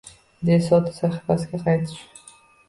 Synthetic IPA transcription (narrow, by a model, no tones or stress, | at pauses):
d̪esɒt̪ʰɪ̥saχɪ̥fasɡʲaqʰɑjt̪ʰɪ̥ʃ